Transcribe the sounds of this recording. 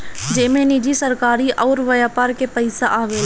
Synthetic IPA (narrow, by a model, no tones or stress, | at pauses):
d͡ʒeːmẽnid͡ʒisəɾkaːɾiʔɔːɾʋɐjaːpaːɾkepəɪsaʔaːʋel